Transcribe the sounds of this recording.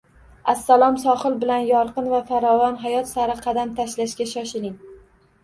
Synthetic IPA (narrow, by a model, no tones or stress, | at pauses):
asːalˠɒmsɒχɨlˠbɪlanjɒɾqɨnvafaɾɒvɒnɦajɒt̪saɾɪqʰɑd̪amt̪ʰaʃlaʃkʲaʃɒʃɪlɪŋ